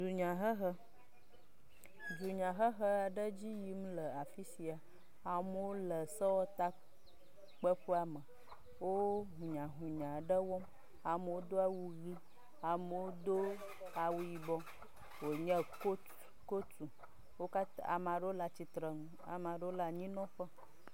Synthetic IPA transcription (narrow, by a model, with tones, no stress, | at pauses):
du˨ɲã˨ɦə˦ɦə˦ | du˨ɲã˨ɦə˦ɦə˦a˨ɖə˦d͡ʑi˦ji˦m˦lə˨a˨fi˦si˨a˨ | a˨m˦wo˦lə˨sɔ˦wɔ˦t̪a˦ | k͡pə˦ɸu˦a˦mə̃˨ | wo˦ɦũ˨ɲã˨ɦũ˨ɲã˨ɖə˦wɔ˦m | a˨m˨wo˦d̪o˦a˨wu˦ɣi˦ | a˨mə˨wo˦d̪o˦ | a˨wu˦ji˨bɔ˦ | wo˨ɲə̃˦ko˦ | ko˦tu˨ | wo˦ka˦t̪a˦a̰˨mã˨ɖə˦o˦la˦t͡ɕi˨t̪ɾə˨ŋũ˦ | a̰˨ma˨ɖə˦o˦la˦ɲĩ˦nɔ̃˦ɸə˦